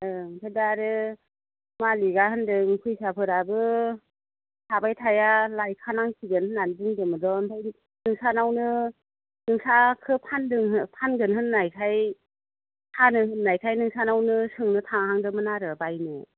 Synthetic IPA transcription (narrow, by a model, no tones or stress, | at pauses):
ɯŋtʰadaɾɯ | maliɡahɯndɯŋkʰɯjsapʰɯɾabɯ | sʰabajtʰajalajkʰanaŋkʰiɡɯnhɯnːandɯŋdɯmɯdɔɯntʰaji | nɯŋsanawnɯ | nɯŋsakʰɯpʰandɯŋɯpʰanɡɯnɦɯnːajkʰaj | tʰanɯɦɯnːajkʰajnɯŋsanawnɯsɯŋnɯtʰaŋɦaŋdɯmɯnaɾɯbajnɯ